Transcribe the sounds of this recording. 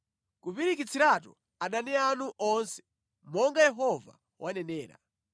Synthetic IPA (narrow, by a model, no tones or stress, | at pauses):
kupiɾik̬it͡sʰiɾatɔ̰ | aɗanɛanuʔɔnsɛ̥ | mɔŋɡajɛɦɔva̰ | wʔanɛnɛːɾa̰